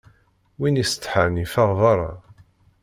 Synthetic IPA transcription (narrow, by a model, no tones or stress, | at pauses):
winist̪ːħanifaʁvˤɑɾˤɑ̰